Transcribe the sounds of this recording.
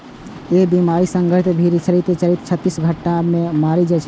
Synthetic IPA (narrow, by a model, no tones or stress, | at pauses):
ebimaɾisə̃ŋɡʱəɾit̪bʱiɾit͡ʃəɾit̪et͡ʃəɾit̪t͡ʃʰət̪ːisɡʱəʈːamẽmaɾid͡ʒat͡ʃʰ